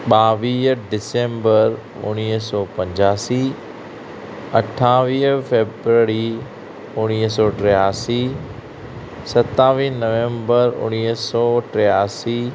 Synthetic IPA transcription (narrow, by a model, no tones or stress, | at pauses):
ɓaːʋiːɦɖɪsẽːmbəɾ | ʊ̰ñiɦsɔːpɐ̃ɲd͡ʑaːsi | ɐʈʰːaːʋiːfeːbɾəɾi | ʊɽ̃iɦsɔːʈɾɛjaːsi | sɐt̪aːʋiːnɐʋẽːmbəɾʊ̰ñiːsɔːʈɾɛjaːsiː